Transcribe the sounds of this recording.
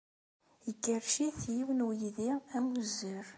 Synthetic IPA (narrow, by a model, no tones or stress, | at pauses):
jəkːəɾʃiθjiwnujiðiæmuzːəɾ